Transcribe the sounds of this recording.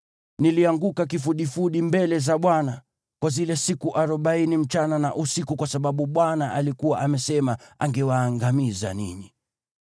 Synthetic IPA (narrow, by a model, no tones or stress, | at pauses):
niliaŋɡukak̬ifuɗifuɗimbɛlɛzaɓwana | kwazilɛsikuʔaɾɔɓainim̩t͡ʃanana̰ʔusikukwasaɓaɓuɓwanaʔalikuwaʔamɛsɛmaaŋɡɛwaːŋɡamiza̰nḭni